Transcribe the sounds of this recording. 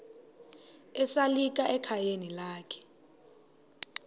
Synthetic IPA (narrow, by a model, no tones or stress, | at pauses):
ɛsalik̬ʼaʔɛkʰajenilaːkʰɛ̥